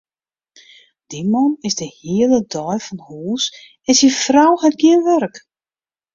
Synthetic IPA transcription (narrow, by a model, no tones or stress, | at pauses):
d̥imɔnɪzdəhiələdɔjfɔnhuːs | ɛsifrawhɛt̚ɡiənʋørk